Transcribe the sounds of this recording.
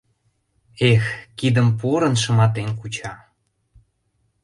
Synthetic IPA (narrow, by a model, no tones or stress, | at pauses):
exkid̪əmpuɾə̆nʃə̆mɑt̪enkut͡ɕɑ